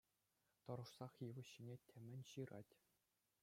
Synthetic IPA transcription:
t̪ɤ̆ɾɤ̆ʂsɑχjɯʋɤ̆ɕːinʲetʲʰɘ̆mʲɘ̆nʲɕɯɾɑ̰tʲ

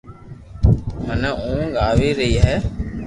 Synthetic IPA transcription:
mənəʔũːɡaːʋiːɾəɦiːɦɛː

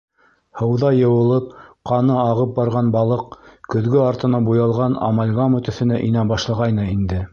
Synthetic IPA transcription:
hɤ̆wðɑjɤ̆wɤ̆lˠɤp̚qɑnɤɑʁɤp̚bɑɾʁɑnbɑlˠɤq̚kɵ̆ðɡɵɑɾt̪ɤ̆nɑbujɑlˠʁɑnɑ̰mɑlʲɡɑmɵ̆t̪ɵ̆θɘ̆næʔinæbɑʃlˠɑʁɑjnɤind̪ɘ

